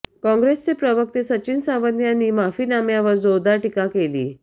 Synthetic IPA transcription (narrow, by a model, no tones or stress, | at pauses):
kɔ̃ŋɡɾest͡sepɾəʋək̚t̪esət͡ɕinsãʋənjanːiːmafiːnamjaʋəɾd͡zod̪aʈikakelḭː